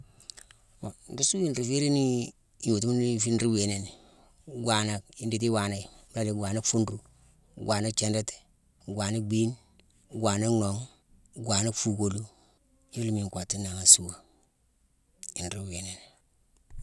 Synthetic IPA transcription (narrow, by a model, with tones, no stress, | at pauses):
wa˨n˨du˦su˦i˨nɾi˨fi˦ɾi˦ni˦˨ | ju˨ti˦m˦ni˦fi˦nɾi˦we˨ne˦ne˨ | ɡwa˨na˨ki˦ndi˨t̬i˦wa˨na˦˨˦a˦di˨ɡʷwa˨na˦kfu˦nɾu˦ | ɡwa˨na˦kt͡ʃe˨nde˦te̥˨ | ɡʷwa˨na˦ɡ͡bi˦n | ɡwa˨na˦no˨ŋ | ɡwa˨na˦kfu˨ko˨lu˦ | i˦li˦mi˨kʷa˨ti˦na˨ŋa˨su˦wa˨ | i˨nɾi˦we˨ne˨ne˨